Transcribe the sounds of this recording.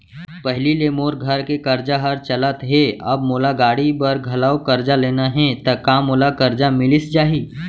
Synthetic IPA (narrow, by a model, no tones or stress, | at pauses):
pɛɦlileːmoːɾɡʱɐɾkekɐɾd͡ʒaɦɐɾt͡ʃɐlət̪ɦɛɐ̰bmoːlaɡaːɽibɐɾɡʱɐlaːokɐɾd͡ʒaleːnaɦɛ̃t̪ɐkãːmoːlakɐɾd͡ʒamɪlɪsd͡ʒaːɦiː